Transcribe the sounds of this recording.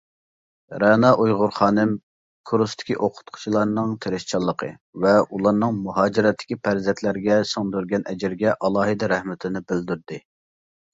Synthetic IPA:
ɾɛnɑʔujʁʊɾχɑːnɪm | kʰuɾust̪ʰɪ̥kʲiʔoqʰʊ̥t̪̚qʰʊ̥t͡ʃʰilˠɑɾnɨŋt̪ʰeɾɪʃt͡ʃʰɑlˠːəqʰə̰ | vɛʔulˠɑɾnɨŋmuɦɑːd͡ʒɪɾɛt̪ʰːɪ̥kʲipʰæɾzɛnt̪ʰlæɾɡʲɛsoŋd̪yɾɡʲɛnʔɛd͡ʒɪɾɡʲɛʔɑlˠɑːɦɨd̪ɛɾɛhmɪt̪ʰɪnɪbɪld̪yɾd̪ɪ

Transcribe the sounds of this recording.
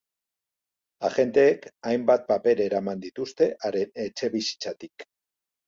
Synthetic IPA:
aʝe̞nt̪e̞ːkajmbat̪̚pape̞ɾe̞ɾamand̪it̪ust̪e̞ʔaɾenet͡ʃe̞βisi̥t͡sat̪ik

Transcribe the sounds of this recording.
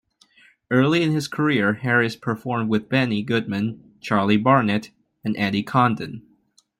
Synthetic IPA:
ɜ˞lˠiɨ̃nɨz̥kʰə˞ɪɹhɛɹɨspʰə˞fɔɹmd̚wɨðbɛniɡʊd̚mɨ̃n | t͡ʃʰɑɹlˠibɑɹnɨɾ | ɨ̃nʔæɾikʰɑ̃ndɨ̰̃n

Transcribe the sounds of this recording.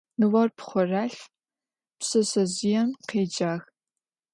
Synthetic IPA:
nɨwɐrpχʷɔraːɬ | psɨsɐzɪjɛmqeːd͡ʒaːx

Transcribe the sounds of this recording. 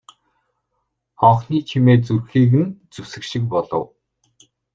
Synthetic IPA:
ɔχniːt͡ɕʰimeːt͡surxiːɣɘ̆nt͡suwsɘ̆kʃɪ̆k̚pɔɮɞ̰̆w

